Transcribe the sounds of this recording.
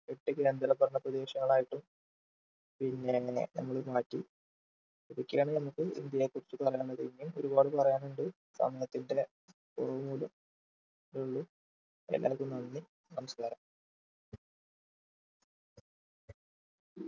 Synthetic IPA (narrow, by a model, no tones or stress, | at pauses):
keʈːɨke̞ːnd̪ɐɾɐbʱɐrɐɳɐprɐd̪e̞ːɕɐŋːɐɭaːjiʈːum | pinːe̞nɐ̰mːɐɭɨmaːtːi | iðikʲːeːɳɨnɐmukːɨḭnd̪jɐjekːurit͡ɕːupɐrɐjaːɳːɐðiŋɡiumo̞̰ɾubaːɽɨpɐrɐjaːnuɳɖɨ | sɐ̰mɐjɐt̪ːinde̞ | purɐʋumuːlɐm | duɭːu | ḛlːa̰ːkːumnɐnːi | nɐmɐskaːɾɐm